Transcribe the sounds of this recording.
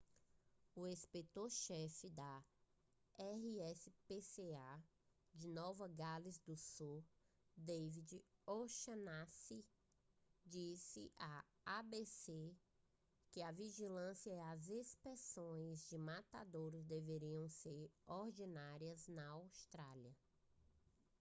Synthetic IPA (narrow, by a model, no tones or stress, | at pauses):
ʊespet̪oɾʃɛfɪd̪ɐ | ɛɦiɛsɪpesea | d͡ʒɪnɔvɐɡalizd̪ʊsu | d̪evid͡ʒɪoʃɐnasi | d͡ʒisɪʔa | abese | kɪɐviʒilɐ̃sjɐɛazespɾesõj̃zd͡ʒɪmat̪ad̪oɾɪzd̪eveɾiɐ̃w̃seɾoɾd͡ʒinaɾiɐznɐawst̪ɾaliɐ